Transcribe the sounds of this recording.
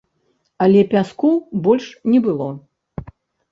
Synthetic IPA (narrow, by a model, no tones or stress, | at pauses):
ɐlʲɛpʲaskubɔlʲʂnʲɛbɨlˠɔ